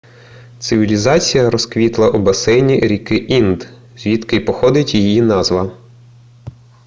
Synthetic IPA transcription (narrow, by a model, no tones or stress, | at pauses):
t̪sɪʋʲilʲizɑt͡sʲijɐɾɔskʋʲit̪lˠɐʔubɐsɛjnʲiɾʲikɪʔind̪ | zʲʋʲit̪kɪjpɔxɔd̪ɪtʲjijinɑzʋɐ